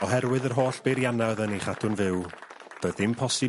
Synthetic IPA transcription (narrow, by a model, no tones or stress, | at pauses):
ɔɦɛɾwɨðərɦoːɬb̥eɾjanaðəniχadʰʊnvɪwb̥oːðɪmpʰɔsɨ